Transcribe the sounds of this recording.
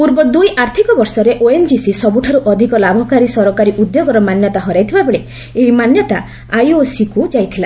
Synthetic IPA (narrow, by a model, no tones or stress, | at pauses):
puɾbɔd̪ujʔaɾt̪ʰikɔbɔɾsɔɾeʔoend͡ʒisisɔbuʈʰaɾuʔɔd̪ʱikɔlabʱɔkaɾisɔɾɔkaɾiʔud̪joɡɔɾɔmanjɔt̪aɦɔɾajt̪ʰibabeɭe | eɦimanjɔt̪a | ajosikud͡ʒajt̪ʰila